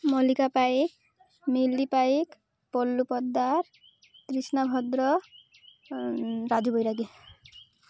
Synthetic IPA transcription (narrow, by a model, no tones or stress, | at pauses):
mʌlikapaik | melːipaik | pɔlːupʌd̪ːaɾ | t̪risnabʱʌd̪rʌ | ɾad͡zubʱʌjɾaɡi